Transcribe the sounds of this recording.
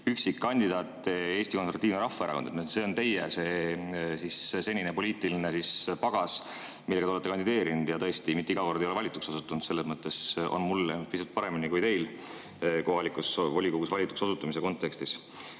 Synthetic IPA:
yksikːɑnʲd̪̥id̪ɑːt̪ːˑe̞ːst̪iko̞nsɾvɑt̪ːiːvnɾɑfːɑeɾɑ̰ko̞nd̪nse̞o̞nt̪e̞jːḛse̞ːsisse̞nʲinepo̞liːt̪ˑilinesispɑɡ̥ɑs | milːɡɑ̥d̪eoet̪ːekɑnd̪id̪e̞ːɾinud̪̥jɑt̪ɤ̞est̪imit̪ːeiɡ̥ɑko̞rd̪ejoe̞vɑlʲit̪ːˑuksosut̪ːˑunt̪se̞lːesmɤt̪ːe̞so̰nmulemuspisult̪̚pɑɾe̞minikujt̪e̞jl | ko̞ɦɑlikusvo̞lʲikoɡusvɑlʲit̪ːˑu̥ksosut̪ːˑumise̞ko̞nt̪ːˑe̞kst̪is

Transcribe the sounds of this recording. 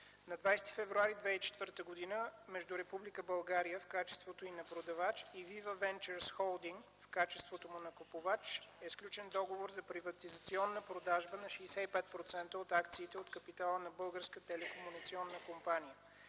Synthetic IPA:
nɐd̪vajsɛ̥t̪i̥fɛvɾuaɾid̪vɛit͡ʃɛ̥t̪vəɾt̪əɡod̪inəmɛʒd̪uɾɛpublikəbɐlˠɡaɾijəfkat͡ʃɛ̥st̪vot̪oinɐpɾod̪ɐvat͡ʃivivəvɛnt͡ʃəɾsxɔlˠd̪iŋɡ | fkat͡ʃɛst̪vot̪omʊnɐkopovat͡ʃɛsklʲut͡ʃɛnd̪ɔɡovoɾzɐpɾivɐt̪izɐt̪siɔnːəpɾod̪aʒbənɐʃɛɛsɛipɛt̪̚pɾot̪sɛnt̪əot̪akt̪siːt̪ɛot̪kəpit̪alˠənɐbɤlˠɡəɾskət̪ɛlɛkomunit̪siɔnːəkompanijə

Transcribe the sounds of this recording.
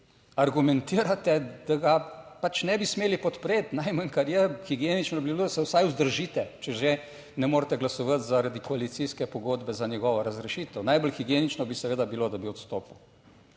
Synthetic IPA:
aɾɡumɛnt̪iːɾat̪ɛd̪̥aɡapat͡ʃnɛbismeːlipɔt̪pɾeːt̪najməŋkɐɾjɛxiɡjeːnit͡ʃnɔbibiloːd̪ɐsɛwsajʊzd̪əɾʒit̪ɛt͡ʃɛʒe | nɛmoːɾt̪ɛɡlasɔʋət̪zaɾad̪ikɔalit̪siskɛpɔɡoːd̪bɛzanjɛɡɔːʋaɾɐzɾɛʃiːt̪əwnajbəlxiɡjeːnit͡ʃnɔbisɛʋeːd̪abilod̪abiɔt̪st̪oːpuw

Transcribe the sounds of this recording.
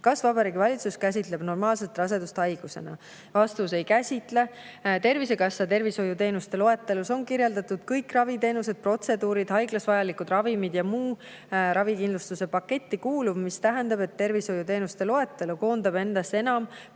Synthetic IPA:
kɑsvɑbɑɾiːɡivɑlʲit̪suskæs̬ʲit̪le̞b̥no̞rmɑːlse̞t̪ːˑrɑs̬e̞d̪ust̪hɑjɡ̥use̞̰nɑ̰ | vɑst̪use̞jkæsʲit̪ˑle̞ | t̪e̞rvise̞kɑsːɑt̪e̞rviso̞jut̪e̞ːnust̪e̞lo̞e̞t̪ːˑeluso̞nkirje̞ld̪̥ɑt̪ud̪̥kɤjkrɑvid̪e̞ːnus̬e̞d̪̥̚pro̞t̪se̞d̪uːɾid̪̥hɑjɡlɑsvɑjɑlikud̪rɑvimid̪̥jɑmuː | ɾɑvikind̪lust̪use̞pɑkːe̞t̪ʲːikuːlubmist̪æɦend̪ɑbe̞t̪ːe̞rviso̞jut̪e̞ːnust̪e̞lo̞e̞t̪ːˑeluko̞ːnd̪̥ɑbe̞nd̪̥ɑse̞nɑm

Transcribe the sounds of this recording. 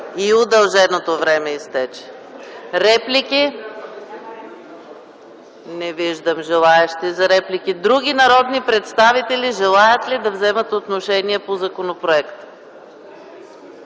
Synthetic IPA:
iod̪ɐlˠʒɛnot̪ovɾɛmɛist̪ɛt͡ʃɛ̥ | ɾɛplʲikʲi | nɛviʒd̪əmʒɛlˠaɛʃt̪izɐɾɛplikid̪ɾuɡ̟inɐɾɔd̪nipɾɛt̪st̪avit̪ɛliʒɛlˠajət̪lid̪ɐvzɛmət̪ot̪noʃɛniɛpozɐkonopɾoɛkt̪

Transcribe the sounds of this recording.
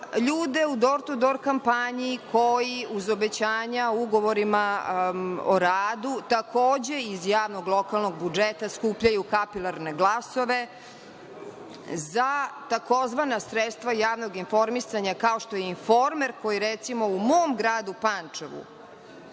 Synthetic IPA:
ʎuːd̪e̞ud̪o̞ɾt̪ud̪o̞ɾkampaɲiːkʰojiuzo̞bet͡ɕaːɲauɡo̞ʋo̞ɾima | oɾaːd̪ut̪akoːd͡ʑeizjaːʋnoɡlˠo̞kalˠnoɡbud͡ʒet̪askupʎajukapilˠaɾneɡlˠaso̞ʋe | zat̪ako̞zʋanasɾet̪st̪ʋajaːʋnoɡinfo̞ɾmisaɲakaoʃt̪o̞jeinfo̞ɾmeɾko̞jiɾet̪simo̞umoːmɡɾaːd̪upaneʋṵ

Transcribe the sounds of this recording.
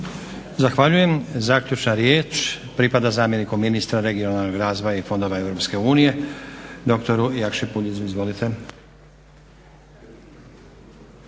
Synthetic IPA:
zaxʋaʎuje̞mzaːkʎʲut͡ʃnaɾjeːt͡ʃpɾipad̪azaːmje̞nikomːinist̪ɾaɾe̞ɡijonaalnoɡɾaːzʋojaifo̞nd̪o̞ʋae̞vwɾo̞pske̞uːnije̞d̪o̞kt̪o̞ɾujakʃipuʎizuizʋo̞lit̪ʰe̞

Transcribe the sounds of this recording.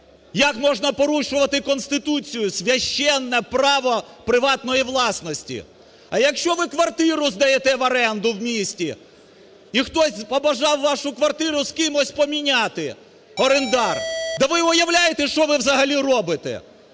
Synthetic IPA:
jɐkmɔʒnɐpɔɾuʃʊʋɐt̪ɪkɔnst̪ɪt̪ut͡sʲijʊsʲʋʲɐʃt͡ʃːɛnːɛpɾɑʋɔpɾɪʋɑt̪nɔjiʋlˠɑsnɔsʲtʲḭ | ɐjɐkʃt͡ʃɔʋɪkʋɐrt̪ɪɾʊzd̪ɐjet̪ɛʋɐɾɛnd̪ʊwmʲisʲtʲi | ixt̪ɔsʲpɔbɐʒɑwːɑʃʊkʋɐrt̪ɪɾʊskɪmɔsʲpɔmʲinʲɑt̪ɪ | ɔɾend̪ɑrd̪ɛʋɪʊjɐwlʲajet̪ɛʃt͡ʃɔʋɪwzɐɦɐlʲirɔbɪt̪ɛ̰

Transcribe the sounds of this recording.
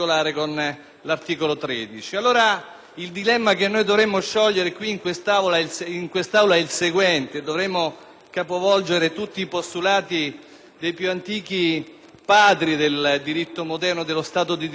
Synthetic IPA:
olaːɾekon | lart̪iːkolot̪ɾɛːd̪it͡ʃialːoːɾa | ild̪ilɛmːak̟enːojd̪ovɾemːoʃːɔʎːeɾekwiːŋkwest̪aolailsiŋkwest̪awlaɛilseɡwɛnt̪ed̪ovɾɛmːo | kapovɔld͡ʒeɾet̪ut̪ːiːpost̪ulaːt̪i | d̪ejpjuant̪iːk̟i | paːd̪ɾid̪eld̪iɾit̪ːomod̪ɛrnod̪elːost̪aːt̪od̪id̪

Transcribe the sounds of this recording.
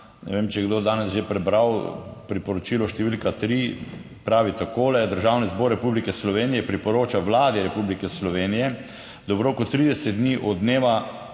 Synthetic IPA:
nɛ̰ʋemt͡ʃɛɛɡd̪od̪aːnɛsʒepɾɛbɾawpɾipɔɾɔt͡ʃilɔʃt̪ɛʋilkat̪ɾi | pɾaːʋit̪akoːlɛd̪əɾʒawnizbɔɾːɛpublikɛslɔʋenijɛpɾipɔɾoːt͡ʃaʋlaːd̪iɾɛpublikɛslɔʋeːnijɛ | d̪ɔbɾoːkʊt̪ɾiːd̪ɛsɛt̪̚d̪niʔɔd̪neːʋa

